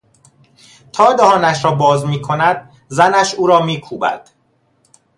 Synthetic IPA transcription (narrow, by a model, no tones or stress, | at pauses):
t̪ʰɒːd̪æhɒːnæʃɾɒːbɒːzmiːkʰo̞næd̪̥̚ | zænæʃuːɾɒːmiːkʰuːbæ̰d̪̥